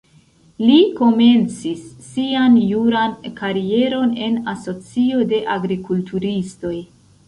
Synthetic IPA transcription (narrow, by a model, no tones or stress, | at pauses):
liko̞me̞nt͡sisːianjuɾankaɾie̞ɾo̞ne̞naso̞t͡sio̞de̞ʔaɡɾikultʰuɾisto̞j